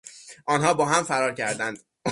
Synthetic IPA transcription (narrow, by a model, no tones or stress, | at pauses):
ʔɒːnɦɒːbɒːɦæmfæɾɒːɾcʰæɾd̪ænd̪̥